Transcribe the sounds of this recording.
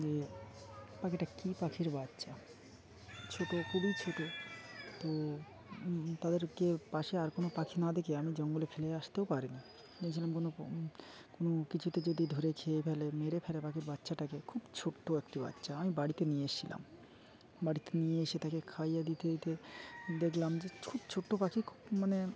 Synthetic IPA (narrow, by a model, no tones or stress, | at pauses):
d͡ʑe | pakeʈakipakʰiɾbatːʃa | t͡ɕʰoʈokuɽit͡ɕʰoʈot̪o | t̪ad̪eɾkepaʃeaɾkonopakʰinad̪ekeamid͡ʑɔŋɡolefʰeleaʃt̪eopaɾini | d͡ʑeet͡ɕʰilamkono | konokit͡ɕʰuʈ̪ed͡ʑod̪ʱid̪ʱoɾekʰeepʰɛlemeɾepʰɛlepakʰiɾbatːɕʰaʈakekʰubt͡ɕʰoʈːoekʈiba̰tːɕaamibaɽit̪enijeeʃila̰m | baɽit̪enieeʃet̪akekʰajad̪it̪et̪ed̪ekʰlamd͡ʑekʰubt͡ɕʰoʈːopakʰikʰu̥bmane